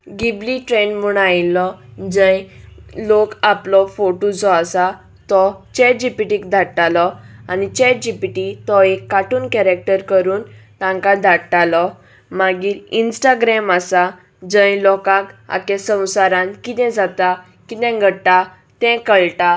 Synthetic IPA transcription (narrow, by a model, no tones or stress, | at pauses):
ɡibliʈɾenmuɽajlɔd͡zə̃jlokaplɔfoʈod͡zɔasa | t̪ɔt͡ɕɛʈ̚d͡ʑipiʈikd̪ʱaɽʈalɔanit͡ɕɛʈ̚d͡ʑipiʈit̪ɔekːaʈuːnkɛɾək̚ʈəɾkəɾuːnt̪ãŋkad̪ʱaɽʈalɔ | maɡiːɾinsʈaɡɾɛmasa | d͡zə̃jlɔkãka̰kɛ̃sə̃w̃saɾãnkit̪ɛ̃d͡zat̪a | kit̪ɛ̃ɡʱəʈa | t̪ɛ̃kəɭʈa